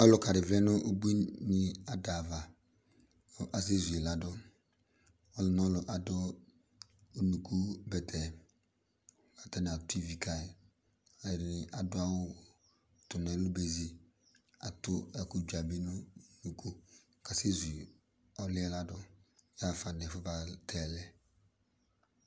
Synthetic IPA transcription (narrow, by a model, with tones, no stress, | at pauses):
ɔ˦lʊ˨ka˨ɾɪ˨vlɛ˦nʊ˦ʔo˦bu˦i˦nɪ˦a˨da˨va˨ | ʔa˨s̬e˦zu˨ɛ˨la˨dʊ˦ | ɔ˦lʊ˨n˦ɔ˦lʊ˨ʔa˨dʊ˦˨ | nu˨kʰu˦bɛ˨tʰɛ˨ | ka˨tɛ˦nɪ˨a˨tʊ˦i˨vi˨kʰa˨ɪ˨ | ɔ˨jɛ˨nɪ˨ʔa˨dʊ˦a˦wʊ˦˨ | tʊ˨nɛ˨˦lʊ˦be˨zi˦ | a̰˨tʊ˦ɛ˦kʊ˦d͡ʒa˨bi˦nʊ˦nu˨ku˦ | ka˨se˦zu˨ | ɔ˦lɪ˦ɛ˦la˦dʊ˦ja˦˨fa˨nɛ˨fʊ˦ba˦tʰɛ˦˨lɛ˦